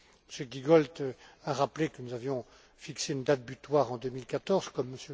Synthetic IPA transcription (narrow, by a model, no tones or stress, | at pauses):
məsjəɡiɡɔlt̪aʁaplekənuzavjɔ̃ | fikseynd̪at̪̚byt̪waʁɑ̃d̪əmilkat̪ɔʁz̥kɔmːəsjø